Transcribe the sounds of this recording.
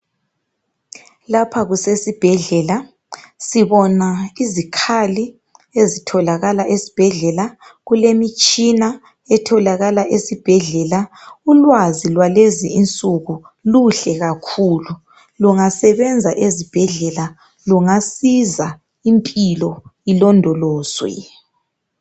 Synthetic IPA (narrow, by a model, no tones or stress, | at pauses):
lapʰaɣusesib̥ʱɛɮɛla | siβɔnaizikʰali | ezitʰɔlaɣalaʔesi̥b̥ʱɛɮɛla | ɣulemit͡ʃʼina | ɛtʰɔlaɣalaʔesib̥ʱɛɮɛlaulwazilwaleziint͡sʼuɣu | luɬɛɣakʰulu | luŋasɛβɛnd͡zʱaʔezib̥ʱɛɮɛla | luŋasiza | impʼilɔilɔndʱɔlɔːzwɛ̰